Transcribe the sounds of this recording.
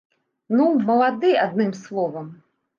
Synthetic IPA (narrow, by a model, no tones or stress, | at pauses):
numɐlˠad̪ɨad̪̚nɨmslˠɔvɐm